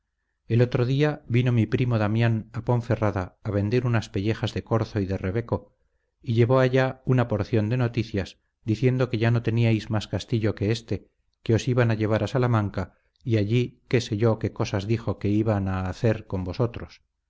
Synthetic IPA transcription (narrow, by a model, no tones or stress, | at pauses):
e̞lo̞t̪ɾo̞ðiaβino̞mipɾimo̞ðamjanapo̞ɱfe̞raðaːβe̞nd̪e̞ɾunaspe̞ʎe̞xazðe̞ko̞ɾθoiðe̞re̞βe̞ko̞ | iʎe̞βo̞aʎaunapo̞ɾθjo̞nd̪e̞no̞t̪iθjas | d̪iθje̞nd̪o̞ke̞ʝano̞t̪e̞niajzmaskast̪iʎo̞ke̞est̪e̞ | ke̞o̞siβanaʎe̞β̞aɾasalamãŋka | iaʎike̞se̞ʝo̞ke̞ko̞sazðixo̞ke̞iβanaːθe̞ɾko̞mbo̞so̞t̪ɾo̞s